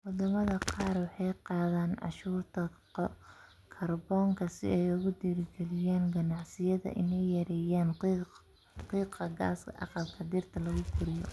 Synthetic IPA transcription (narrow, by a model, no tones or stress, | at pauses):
wɑd̪ɐmɐðɐqɑːrwɑħɑjqɑːðaːnʕɑ̰ʃuːrt̪ʰɐ | kʰɐrbɔːŋkʰɐsɪ̰ɛjʊɣʊd̪iːɾɪɡɛlɪjaːnɡɐnɑʕsɪjɐðɐ̰ʔɪnɛjjɐɾɛːjaːn | qiːqɐɡa̰ːskʰɐ̰ʔɑ̰qɑlkʰɐd̪ɪrt̪ʰɐlɐɣʊɡʰʊɾɪjɔ